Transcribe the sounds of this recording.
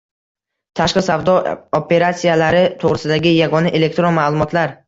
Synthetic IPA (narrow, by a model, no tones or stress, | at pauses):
t̪ʰaʃqɨsavd̪ɒopʰe̞ɾat̪sijalaɾɪt̪ʰoʁɾɪsɪd̪aɡʲɪjaɡɒnɪʔe̞le̞k̚ʲt̪ɾonmalˠʊmɒt̪laɾ